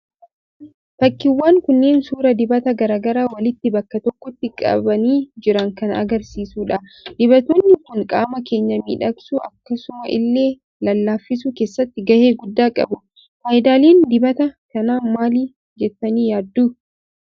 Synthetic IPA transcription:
t̪ɐkːɪwːaːŋkʊnːe̞ːnsuːɾɐd̪ɪbɐt̪ɐɡɐɾaːɡɐɾaːwɐlɪt̪ːɪbɐkːɐt̪ɔkːɔt̪ːɪkʼɐ̰bɐniːd͡ʒɪɾɐŋkɐnɐ̰ɡɐɾsiːsuːᶑɐd̪̥ɪbɐt̪oːnːɪkʊŋkʼaːmɐke̞ːɲːɐmḭːᶑɐksuːʔɐkːɐsʊmɐʔɪ̰lːe̞ː | lɐlːaːfːɪs̬uke̞ːsːɐt̪ːɪɡɐhe̞ːɡʊd̪ːaːkʼɐ̰bʊ | faːjɪd̪aːleːnd̪ɪbɐt̪ɐkɐnaːmaːliː | d͡ʒɛt̪ːɐniːjaːd̪ːuː

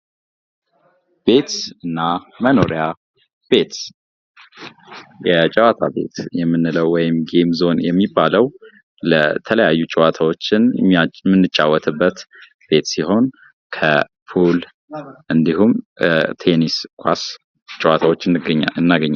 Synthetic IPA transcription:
b̥e̞t̪ɨnːaməno̞ɾija | b̥e̞t̪ | jɛt͡ʃʼɛwat̪ʰa̰be̞̰t̪jɛmːɨnːɨləwːɔjɪmɡemzo̞njɛmːibːaləw | lət̪ʰələjajːut͡ʃʼɪwat̪ʰawot͡ʃːɪnmɨnːɨt͡ʃʼːawːɔt̪ʰɨbːət̪ | b̥e̞t̪siho̞n | kʰə | pʰul | ʔɨnd̪iɦumt̪ʰe̞niskʷʰʼas | t͡ʃʼiwat̪ʰawot͡ʃːɨnɨɡɲaɨnːaɡəɲːal

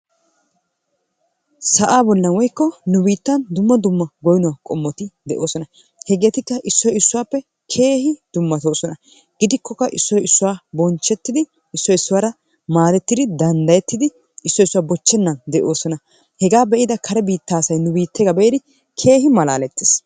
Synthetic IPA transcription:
sɐʔaːbɔlːɐnwɔjkːɔnʊbiːt̪ːɐnd̪ʊmːɐd̪ʊmːɐɡɔjnɔwaːkʼɔmːɔt̪ɪd̪ɛʔo̞ːsɔnɐ | hɛɡeːt̪ɪkːɐʔɪsːɔjɪsːʊwaːpːɛ | kʰe̞ːhɪd̪̥ʊmːɐt̪o̞ːsɔnɐ | ɡ̥ɪd̪ɪkːɔkːɐʔɪsːɔjɪsːʊwaːbɔnt͡ʃːɛt̪ːɪd̪ɪ | ɪsːɔjɪsːʊwaːɾɐ | maːd̪ɛt̪ːɪd̪ɪd̪ɐnd̪ɐjɛt̪ːɪd̪ɪ | ɪsːɔjɪsːʊwaːbɔt͡ʃːɛnːɐnd̪ɛʔo̞ːsɔnɐ | hɛɡaːbɛʔɪd̪ɐkʰɐɾɛbiːt̪ːaːsɐjnʊbiːt̪ːɛɡɐbeːd̪ɪ | kʰe̞ːɦɪmɐlaːlɛt̪ːes

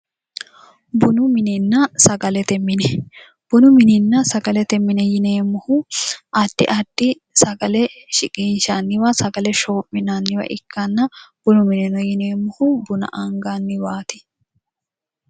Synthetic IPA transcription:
bʊnʊmɪnɪnːɐsɐɡɐlɛt̪ɛmːɪnɛ | b̥ʊnʊmɪnɪnːɐsɐɡɐlɛt̪ɛmːɪnɛjɪneːmːʊhʊʔɐd̥ːɪ̰ʔɐd̥ːɪ | sɐɡɐlɛʃɪkʼiːnʃanːɪwaːsɐɡɐlɛʃoːmːɪnaːnːɪwɐ̰ʔɪkːanːɐb̥ʊnʊmɪnɪnɐjɪneːmːʊhʊbʊnɐ̰ʔɐŋɡaːnːɪwaːt̪ɪ̥

